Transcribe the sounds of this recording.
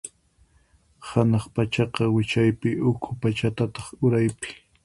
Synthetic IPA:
hanɑχpat͡ʃɑqɑwɪt͡ʃajpɪʔʊkʰʊpat͡ʃat̪at̪ɑ̥χʊɾajpɪ̥

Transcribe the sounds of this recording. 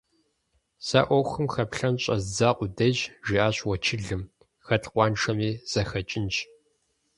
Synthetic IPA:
sa̰ʔʷɔxɨmxɐpɬɐnɕʼɐzd͡zaːqʷʼʊdɐʒʒiʔaːɕwɐt͡ʃʰɪɮɨm | xɐtqʷɑːnʈ͡ʂʰɐmiːz̥ɐxɐt͡ʃʼɪnt͡ʃ

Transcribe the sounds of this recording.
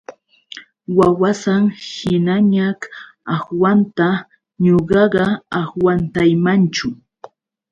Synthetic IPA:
wawasaŋhɪnaɲak | ahwant̪a | ɲoɢɑɢɑahwant̪ajmant͡ʃʊ

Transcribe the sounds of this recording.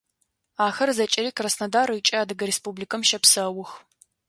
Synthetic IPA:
aːxɐrzɐt͡ʃʼɪɾiːkrɐsnɐdaːɾɐit͡ʃʼɐaːdɨɡɐɾespublikɐmʃɐpsɐwʊx

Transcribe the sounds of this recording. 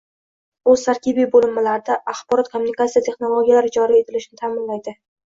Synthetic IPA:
ɵz̥t̪ʰaɾkʲibibolɪmːɪlaɾd̪aʔaχbɒɾɒt̪̚kʰomːunikat̪sijat̪ʰe̞χno̞lˠoɡʲijalaɾɪd͡ʒɒɾie̞t̪ʰɪlɪʃɪnɪt̪ʰamɪnlajd̪ɪ

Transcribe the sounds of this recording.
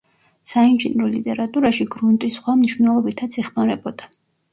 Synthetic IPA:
sainʒinɾɔlit̪ʼɛɾat̪ʼuɾaʃiɡɾunt̪ʼisχwamniʃwvnɛlˠɔbit̪ʰat̪sʰiχmaɾɛbɔd̪a

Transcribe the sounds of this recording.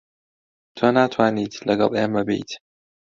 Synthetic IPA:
t̪ʰwanaːt̪ʰwaːniːt̪ʰlɐɡɐt̪ʼjamɐbḛjt̪ʰ

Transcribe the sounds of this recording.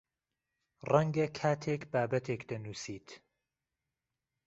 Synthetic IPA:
rɐŋɡɐkʰaːt̪ʰekbaːbɐt̪ʰeːkd̪ɐnuːsiːt̪ʰ

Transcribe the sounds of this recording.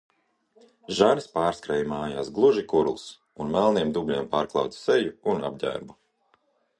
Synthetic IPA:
ʒaɾispaːɾskɾɛjmaːjaːsɡlˠuʒikuɾlˠs | unmælˠniɛmd̪ublʲiɛmpaːɾklˠɑ̰wt̪ssejuːna̰b̚ɟʲæ̰ːɾbu

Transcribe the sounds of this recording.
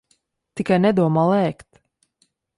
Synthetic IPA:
t̪ikajnɛd̪uɔmalˠɛːkt̪

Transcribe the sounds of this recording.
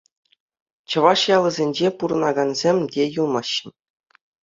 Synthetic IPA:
t͡ɕɤ̆ʋɑʂjɑlˠɤ̆zʲenʲd͡ʑepuɾɤ̆nɑɡɑnzʲemʲdʲejulˠmɑɕːɤ̆n

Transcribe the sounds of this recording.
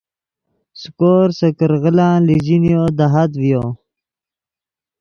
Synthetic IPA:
skoːɾsəkəɾɣəlãːlid͡ʑinjod̪aɦat̪wjo

